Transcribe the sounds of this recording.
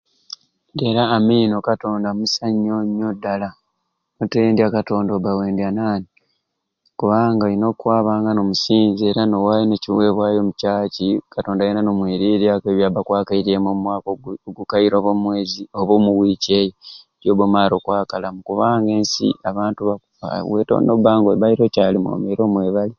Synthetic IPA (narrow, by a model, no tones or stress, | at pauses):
de̞ɾaːmino̞kato̞ːndamusaɲːoɲːodːala | muteeːndiakato̞ːndobawe̞ːndanaːni | kuβaːŋɡaɾino̞kwaːβaːŋɡanomusiːnzie̞ɾano̞walineciweːβwaːjo̞mucaːcikato̞ːndajinanomwiːɾiːɾiakeβjaːbakwaːkaiɾie̞momwaːkooɡukaiɾoβomwezioβomuwiːceːje | ɾjoːβomaːɾo̞kwaːkalamukuβaːŋɡe̞ːnsḭaβaːntuβa | a̰wḛto̰ːndobaːŋɡoβaiɾo̞caːlimo̰meɾo̞ːmwe̞ːβali